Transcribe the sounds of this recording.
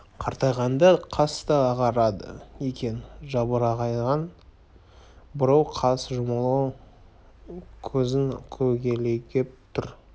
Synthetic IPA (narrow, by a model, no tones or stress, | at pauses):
qʰɑɾt̪ɑjʁɑnd̪ɑqʰɑst̪ɑːʁɑɾɑd̪ə̰ekʲe̞nʒɑbəɾɑʁɑjʁɑn | bʊɾɑwqʰɑsʒʊmɑlˠɑw | kʲʰɵzɪŋkʲʰɵɡʲe̞le̞ɡʲep̚t̪ʰʊɾ